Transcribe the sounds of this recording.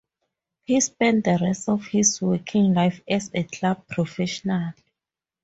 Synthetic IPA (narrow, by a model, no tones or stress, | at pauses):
hispɛ̃ntdəɹɛstɔfhiswɛkʰĩŋlajfɛsekʰlab̚pʰɹɔfɛʃɔnal